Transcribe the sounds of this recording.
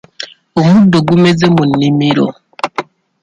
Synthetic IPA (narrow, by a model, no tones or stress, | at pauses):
umudoɡumezemunimiɾo̰